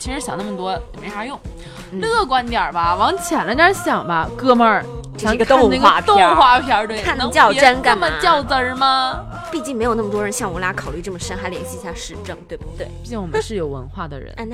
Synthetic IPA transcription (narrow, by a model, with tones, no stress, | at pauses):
t͡ɕʰi˧˥ʂɻ̩˧˥ɕjɑ˨˩ŋna˥˩mə˩t̪wɔ˥˨˩me˧˥ʂa˥jʊ˥˩ŋ | lɤ˥˩kwa˧˥nt̪jɐ˞˨˩bɐ˦wɑ˧˥ŋt͡ɕʰjɛ˨˩nlə˥˩jɐ˧˥ɕjɑ˨˩ŋbɐ˦kɤ˥˧mə˥˧˩ | ɡk̪ptʰt̪ʊ˥˧ŋxwa˥˩pʰi˧a˧˥t̪we˥˩a˥˩n˧˥ŋt͡ɕjɑ˥˩ʊ˥ʈ͡ʂə˥nka˥˩˥mə˧t͡ɕjɑ˥˩ʊt͡sə˧˥mɐ˧ | pi˥˧t͡ɕi˥˩ŋm˧˥ɪjna˥˩mə˩t̪wɔ˥ɻə˧˥nɕjɑ˥˩ŋwə˧˥la˧˥kʰɑ˨˩ʊly˥˧ʈ͡ʂɤ˥˩mə˨˩ʂə˥nxa˧˥ɪljɛ˧˥nɕi˧˥ɕja˥˧ʂɻ̩˥˧ʈ͡ʂɤ˥˩ŋt̪we˥˩ɪbt̪we˥˩ɪi˥˩t͡ɕi˥˩ŋwɔ˨˩m˦nʂɻ̩˥˩jo˨˩ʊwə̰˧˥nxwa˥˩d̪ə̰˩ɻə̰˧˥n˥˧n˥˧